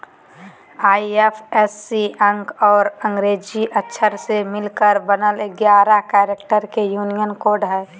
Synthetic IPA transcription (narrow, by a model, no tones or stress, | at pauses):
aːiepʰɛsːiʔə̃ŋɡɔːɾə̃ŋɡɾeːd͡ʒiʔətːʃʰəɾsemɪlkəɾbənəlɡjaːɾakɛːɾekʈəɾkejuːnijənkoːɾɖɦɛː